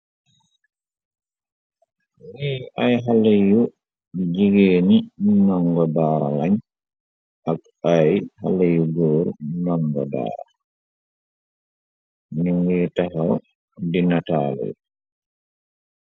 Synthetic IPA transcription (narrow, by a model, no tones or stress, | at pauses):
wiʔajɦaleju | d͡ʒiɡeːninɔŋɡɔdaːɾalaɲ | ak | ajhalejuɡɔːɾnɔŋɡɔ̰da̰ːɾa | niŋɡɛːtaɦaw | dinatalɛ̰j